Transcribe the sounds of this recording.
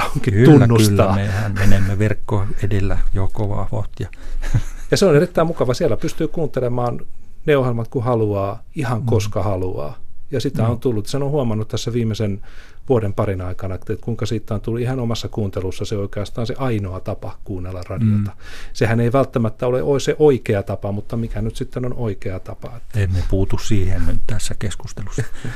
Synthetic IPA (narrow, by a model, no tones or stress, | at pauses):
oŋkikytunːænːustlːɑehænmenemːeʋerkːoːedelːæjokoʋɑ̰ʋot̪jɑ | jɑseonerit̪ːæimukɑʋɑsiælːæpyst̪yːkuːnt̪elemɑːnneohelmɑt̪kuhɑluɑː | ihɑŋkoskɑhɑluɑ̰ːjɑsit̪æont̪ulːut̪sehænohuɑmɑnːut̪t̪æsːæʋiːmesen | ʋuodempɑrinɑikɑnɑet̪kuiŋkɑsiːt̪ːæont̪ulːuihɑnomɑsːɑkuːnt̪elusːɑseoikeɑst̪ɑːnseʔɑinoɑt̪ɑpɑkuːnːelːɑrɑdiot̪ɑ̥sehæneiʋælt̪ːæmæt̪ːæoleʔoesseʔoikeɑt̪ɑpɑmut̪ːɑmikænyt̪sit̪ːenonoikeɑt̪ɑpɑet̪ːennepuːt̪ussiːhennyt̪t̪æsːækeskust̪elusːɑ̥ɑ